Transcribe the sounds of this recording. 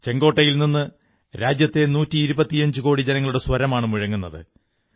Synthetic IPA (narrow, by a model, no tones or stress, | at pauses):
t͡ɕe̞ŋɡo̞ːʈːɐjilninːɨ | ɾaːd͡ʑjɐt̪ːe̞nuːtːiːɾubɐt̪ːijɐɲd͡ʑɨko̞ːɽid͡ʑɐnɐŋːɐɭuɽe̞swɐɾɐmaːɳɨmuɻɐŋːunːɐðɨ̰